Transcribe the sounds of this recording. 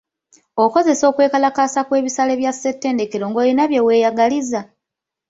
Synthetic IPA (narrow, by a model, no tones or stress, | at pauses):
o̞ko̞ze̞so̞ːkwe̞ːkalakaːsakwe̞ːβisaleβjase̞tːe̞ːnde̞ke̞ɾo̞ŋɡo̞ːlinaβje̞we̞ːjaɡaliza